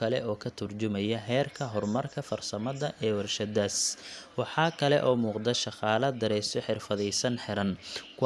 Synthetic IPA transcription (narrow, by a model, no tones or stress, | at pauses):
ɐlɛ̰ɔːkʰɐt̪ʰʊrt͡ʃʊmɐjɐɦɛːrkʰɐɦɔrmɐrkʰɐfɐrsɐmɐðɐʔɛːwɐrʃɐd̪æswɑħɑːkʰɐlɛ̰ʔɔːmuːqd̪ɐʃɑqɑːlɐd̪ɐɾɛːst̪ɔħɪrfɐðɛjsɐnħɪɾɐnkʰʊ